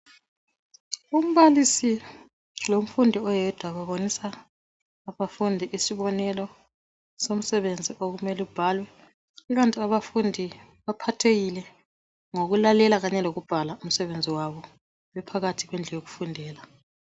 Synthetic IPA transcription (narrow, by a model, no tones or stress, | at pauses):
um̩βalisi | lom̩fundʱiɔjɛd̥ʱwaβaβonisaː | βafundʱiʔisiβɔnɛlɔ | som̩sɛβend͡zʱiʔoɣumɛlub̥ʱaːlwɛ | iɣantʼiaβafundʱi | βapʰatʰeɣilɛ | ŋoɣulalɛlaɣaɲɛloɣub̥ʱalaum̩sɛβend͡zʱiwaβɔ | wɛpʰaɣatʰiɣwɛnd͡ɮʱɛjoɣufundʱɛːla